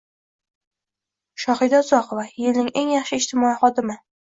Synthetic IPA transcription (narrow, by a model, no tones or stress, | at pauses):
ʃɒhɪd̪aʊzɒqʰovajɪlnɪŋeŋjɑχʃɪɪʃt̪ʰɪmɒiχɒd̪ɪmɪ